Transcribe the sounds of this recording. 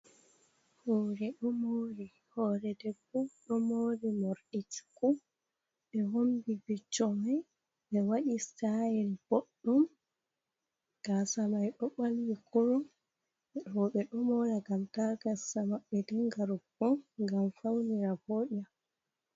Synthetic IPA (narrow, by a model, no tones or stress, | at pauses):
hoɾɛɗɔmoɾi | hɔɾɛdɛkuɗɔmoɾimoɾɗiti̥ku | ɓɛhombibit͡ʃːɔmaj | ɓɛwaɗistajɛlb̥oɗːɔm | ɡ̥asamajɗɔɓalwikɔɾɔm | ɔɓɛɗɔmɔɾaɡamtaɡasamaɓːɛdɛŋɡaɾubɔɡamfawniɾaboɗa